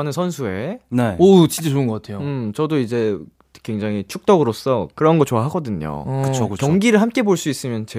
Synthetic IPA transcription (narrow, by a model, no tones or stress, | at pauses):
nɯnsʰʌnsʰue̞neʌt͡ɕint͡ɕ͈at͡ɕoɯnɡʌk͈atʰejoɯmt͡ɕʌdoid͡ʑe̞ | kweŋd͡ʑaŋit͡ɕʰuk̚t͈ʌɡɯɾos͈ʌkɯɾʌnɡʌɭt͡ɕowaɦaɡʌdɯɲo̰kɯt͡ɕʰokɯkjʌŋɡiɾɯɭhamk͈e̞boɭs͈uis͈ɯmjʌnt͡ɕe